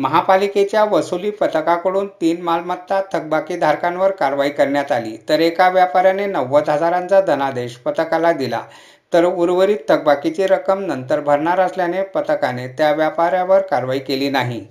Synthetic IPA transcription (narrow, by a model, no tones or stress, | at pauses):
məɦapaliket͡ɕjaʋəsuliːpət̪əkakəɽuːnt̪iːnmalmət̪ːat̪ʰək̚bakid̪ʱaɾkãnʋəɾkaɾʋaikəɾɳjat̪alḭt̪əɾekaʋjapaɾjanenəʋːət̪ɦəd͡zaɾãnt͡sad̪ʱənad̪eɕpət̪əkalad̪ila̰ | t̪əɾuɾʋəɾiːt̪ʰːək̚bakit͡ɕiɾəkəmnənt̪əɾbʱəɾɳaɾəsljanepət̪əkanet̪jaʋjapaɾjaʋəɾkaɾʋaikeliːnaɦi